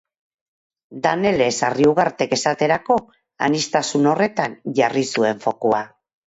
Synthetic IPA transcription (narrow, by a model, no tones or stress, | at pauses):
d̪ane̞le̞sariuɣaɾt̪e̞ke̞sat̪e̞ɾako̞ | a̰nist̪asuno̞re̞t̪anʝarisue̞ɱfo̞kua